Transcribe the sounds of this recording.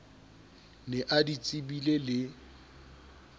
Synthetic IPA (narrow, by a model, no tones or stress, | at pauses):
nɛʔadit͡sʼɪbilelɪ